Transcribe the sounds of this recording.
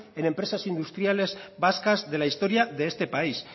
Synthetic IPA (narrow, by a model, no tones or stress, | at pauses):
e̞ne̞mpɾe̞sasind̪ust̪ɾiale̞zbaskazðe̞laist̪o̞ɾiaðe̞ːst̪e̞pais